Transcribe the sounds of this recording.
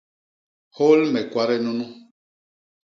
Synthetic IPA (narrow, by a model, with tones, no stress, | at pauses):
ho˦lmɛ˨kwa˦ɾɛ˦nũ˦nũ˦